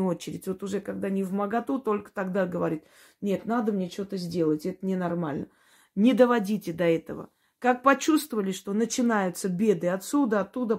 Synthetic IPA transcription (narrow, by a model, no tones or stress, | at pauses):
o̞t͡ɕɪɾʲɪtʲvo̞t̪ʊʐɛkɐɡ̚d̪anʲɪvməɡɐt̪ut̪o̞lʲkə̥t̪ɐɡd̪aɡəvɐɾʲit̪ | nʲe̞t̪nad̪əmnʲe̞t͡ɕot̪əzʲdʲe̞lˠətʲɛt̪ənʲɪnɐrmalʲnə | nʲɪd̪əvɐdʲitʲɪd̪ɐɛt̪əvə̰ | kak̚pɐt͡ɕust̪vəvəlʲɪʂt̪o̞nət͡ɕɪnajʊt̪səbʲe̞d̪ɨɐt̪sud̪əɐt̪ːud̪ə